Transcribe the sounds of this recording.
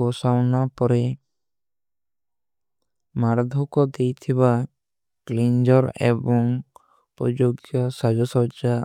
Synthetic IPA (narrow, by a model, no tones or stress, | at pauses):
ɔsawnapɔɾe | maɾd̪ʱɔkɔd̪ejt̪ʰiβa | klind͡ʒɔɾḛbɔŋ | pɾɔd͡ʒoɡjɔsad͡ʒɔsɔd͡ʒa